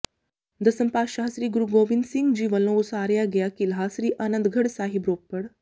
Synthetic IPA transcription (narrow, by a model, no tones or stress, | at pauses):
d̪əsəmpaːɕaɦsɾiːɡuɾuɡoʋind̪siŋɡd͡ʑiːʋəlousaːɾjaɡjakiːlɦaːsɾiːʔanənd̪ɡʱəɽsaɦibɾoːpːəɽ